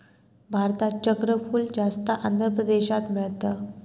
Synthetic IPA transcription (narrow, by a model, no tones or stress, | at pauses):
bʱaɾt̪at͡ɕəkɾəfuːld͡ʑast̪əʔand̪ʱɾəpɾəd̪eɕat̪miɭt̪ə